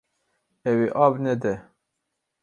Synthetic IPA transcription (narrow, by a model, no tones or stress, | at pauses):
ɛwiʔɑːbnɛd̪ɛ